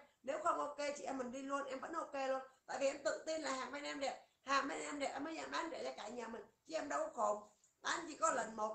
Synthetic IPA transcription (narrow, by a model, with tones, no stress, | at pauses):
ne˨˦wxə˧wŋ͡mʔo˧ke˧t͡ɕi˧˩ʔɛ˧mːi˨˩ŋ̟ɗi˧lu˧ənʔɛ˧mvə̰˧˥nʔo˧ke˧lu˧əna̰ː˧˨jvi˨˩ʔɛ˧mt̪ɨ̰˧˨t̪i˧nlaː˨˩ɦaː˨˩ŋɓɛ˧nʔɛ˧mɗɛ˨˩ | haː˨˩ŋɓɛ˧nʔɛ˧mɗe˨˩ʔɛ˧məː˨˦jza̰ː˧˩mʔaː˨˦nɗe˧˩t͡ɕɔ˧kaː˧˩jɲaː˨˩mï˨˩ŋ̟t͡ɕi˧˨ʔɛ˧mɗə˧wxo˨˩ŋ͡m | ʔaː˨˧˦nt͡ɕi˨˧˩kɔ˨˦lə˨˩nmo˨˩t̚